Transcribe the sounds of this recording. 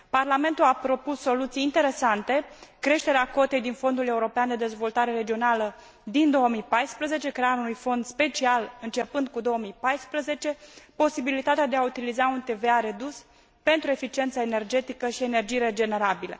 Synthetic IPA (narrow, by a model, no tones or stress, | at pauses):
parlame̞nt̪ulapɾo̞pusːo̞lut̪sijːnt̪e̞ɾe̞sant̪e̞kɾe̞ʃt̪e̞ɾeako̞t̪e̞jd̪info̞nd̪ule̞uɾo̞peand̪e̞d̪e̞zvo̞lt̪aɾe̞ɾe̞d͡ʒio̞nalə | d̪ind̪o̞əmijpajspɾəze̞t͡ʃe̞kɾeaunujfo̞nd̪spe̞t͡ʃialɨnt͡ʃe̞pɨnd̪̚kud̪o̞əmijpajspɾəze̞t͡ʃe̞po̞sibilit̪at̪ead̪eaut̪ilizaunt̪e̞ve̞aɾe̞d̪us | pe̞nt̪ɾue̞fit͡ʃie̞nt̪səe̞ne̞rd͡ʒe̞t̪ikəʃie̞ne̞rd͡ʒijɾe̞d͡ʒe̞ne̞ɾabilə̰